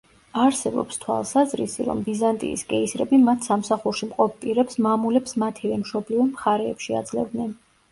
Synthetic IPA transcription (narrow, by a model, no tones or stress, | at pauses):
aɾsɛbɔ̰pst̪ʰwa̰lˠsazɾḭsḭɾɔ̰mbizant̪ʼḭːskʼɛisɾɛ̰bimat̪ʰsamsaχuɾʃimqʼɔpʰpʼiɾɛpsmamulɛpsmat̪ʰivɛmʃɔblivɔmχaɾɛːpʃia̰d̪zlɛ̰vd̪nɛn